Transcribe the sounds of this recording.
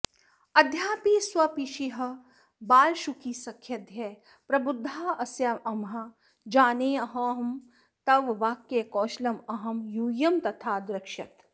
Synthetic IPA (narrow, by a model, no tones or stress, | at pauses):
ɐd̪ʱjaːpiswɐpiʃiɦɐ̆ | baːlʃukisɐkʰjɐd̪ʱjɐ | pɾɐbʊd̪ʱːaːɐsjaʔɐmɦɐ | d͡ʒaːneːɐɦɐ̃ɦɐm | t̪ɐʋʋaːkjekɔːʃlɐmɐɦɐmjuːjɐmt̪ɐt̪ʰaːd̪ɾɪkʃɐt̪